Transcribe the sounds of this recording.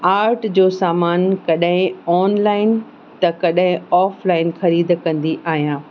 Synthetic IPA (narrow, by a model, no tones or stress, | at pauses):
aːɾʈd͡ʑoːsaːmaːnkɐɗɦɪ̃ɔːnlaːɪn | t̪ɐkɐɗɦɪ̃ɔːflaːɪnxɐɾiːd̪̆kɐ̃nd̪iʔaːɦijãː